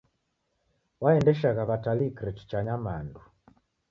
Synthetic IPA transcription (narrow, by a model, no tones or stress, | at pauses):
waɛndɛʃaɣaβatalikɾɛti̥t͡ʃaɲamandu